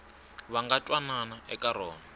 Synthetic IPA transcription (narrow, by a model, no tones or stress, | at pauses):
βaŋɡatʼwananaʔɛkʼaɾɔːna